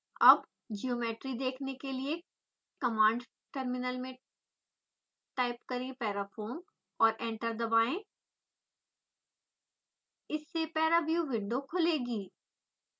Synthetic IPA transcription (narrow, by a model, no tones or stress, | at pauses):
ɐb | d͡ʒioːmeːʈɾid̪eːkʰnekelie | kɐmãːɳɖ | ʈəɾmɪnəlmẽ | ʈaːɪpkɐɾẽpɛːɾapʰoːɾm | ɔːɾʔɛ̃ːɳʈəɾd̪ɐbaːẽ | ɪsːepɛːɾabjuʋɪɖokʰʊleːɡiː